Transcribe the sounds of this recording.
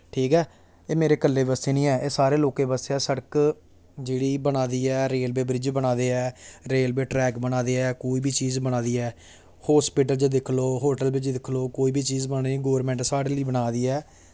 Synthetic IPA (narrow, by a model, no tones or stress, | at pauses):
ʈʰiːkɦɛː | eːmeːɾeːkəlːeːbəseːnĩːɛːʔeːsaːɾeːloːkẽːbəseɛːsəɽək | d͡ʒeːɽiːbənaːd̪iːɛːɾeːlbeːbɾɪd͡ʒbənaːd̪eːɛːɾeːlbeːʈɾɛːkbənaːd̪eːɛːkoːiːbiːt͡ʃiːzbəɽ̃aːd̪iːɛː | hoːspiːʈ̬əlt͡ʃd̪ɪkʰloːɦoːʈəlbɪt͡ʃd̪ɪkʰloːkoːiːbiːt͡ʃiːzbənaːiɡoːɾmɛ̃ɳʈsaːɽeːliːbəɽaːd̪iːɛː